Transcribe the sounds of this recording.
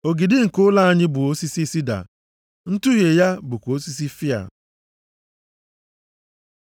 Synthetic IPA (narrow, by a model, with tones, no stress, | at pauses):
o˨ɡi˨dɪ˦ŋ̩˨kʊ˦la˦a˦ɲɪ˦bʊ˨o˦si˦si˦si˦da̰˨ | n̩˦tu˦ɦje˨ja˦bʊ˨kʷo˦si˦s̬i˦fi˦a̰˨